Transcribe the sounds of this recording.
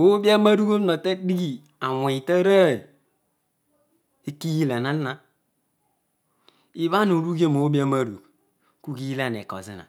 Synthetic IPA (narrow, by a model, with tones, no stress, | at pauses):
o˦bi˦a˦ma˦ɾu˦ko˦na˨te˦di˦ɡi˦ | a˨we˨i˨ta˦ɾa˦˨ | e˦ki˦ji˦la˨na˦nː˦a˦ | i˦βa˦no˨ɾu˦ɡe˦m˨o˨˦bi˦a˦ma˦ɾṵ˨k | ku˦ki˦ji˦la˦˨n˨ḛ˨ko̰˨zḭ˦na̰˨